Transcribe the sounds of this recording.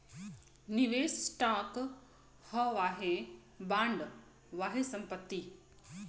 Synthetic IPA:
niʋeːssʈaːk | həʋaːɦe | bãːɳɖ | ʋaːɦesɐ̃mpət̪ːi

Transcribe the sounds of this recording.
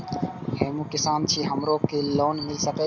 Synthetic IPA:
heːmũːkɪsaːnt͡ʃʰiːɦəmɾoːkeːloːnmɪlsəkəː

